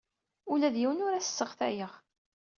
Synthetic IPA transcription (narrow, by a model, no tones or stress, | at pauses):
ulæðjiwənʊɾæsə̥sːəʁθæ̰jəʁ